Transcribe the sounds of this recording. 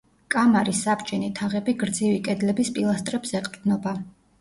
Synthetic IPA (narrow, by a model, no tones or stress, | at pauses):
kʼamaɾisabt͡ʃʼɛnit̪ʰaʁɛbiɡɾd̪zivikʼɛd̪lɛbispʼilˠast̪ʼɾɛbsɛqʼvd̪nɔba